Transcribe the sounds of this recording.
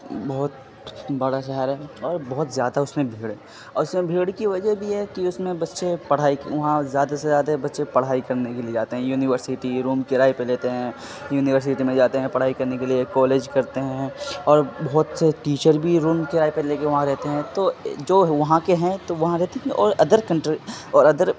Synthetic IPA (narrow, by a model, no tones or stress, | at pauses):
bɔɦt̪ | bɐɽaʃ̬ɛɦəɾɦɛːɔːɾbɔɦʊt̪zjaːd̪aʊsmẽbʱeːɽe | ɔːɾʊsmẽbʱeːɽkiʋɐd͡ʒəbʱijɛkiʊsmẽbɐtːʃepɐɽ̤aːikʋɐɦãzjaːd̪asezjaːd̪abɐtːʃepɐɽ̤aːikɐɾnekelied͡ʒaːt̪eɦɛ̃juːnɪʋəɾsɪʈiɾuːmkɪɾaːipeleːt̪eɦɛ̃ | juːnɪʋəɾs̬ɪʈimẽd͡ʒaːt̪eɦɛ̃pɐɽ̤aːikɐɾnekeliekɔːleːd͡ʒkɐɾt̪eɦɛ̃ɔːɾbɔɦt̪seʈiːt͡ʃəɾbʱiɾuːmkeɾaːepeleːkeʋɐɦãɾɛɦt̪eɦɛ̃t̪od͡ʒoːɦʋɐɦãkeɦɛ̃t̪oʋɐɦãɾɛɦt̪eɦɛ̃ʔɔːɾɐd̪əɾkɐ̃ɳʈɾɔːɾɐd̪əɾ